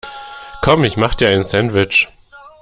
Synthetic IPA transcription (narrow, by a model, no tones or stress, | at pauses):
kʰɔmɪçmaχd̥iːaɪnsɛndvɪt͡ʃ